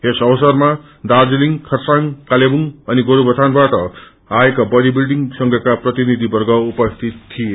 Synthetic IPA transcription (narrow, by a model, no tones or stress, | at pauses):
esʌwʌsʌrma | d̪ad͡ziliŋkʰʌrsaŋkalebuŋʌniɡoɾubʌt̪ʰanbaʈʌ | aekabʌd̪ibilɖiŋsʌŋɡʱʌkaprʌt̪inid̪ʱibʌrɡʌupʌst̪ʰit̪ʰːije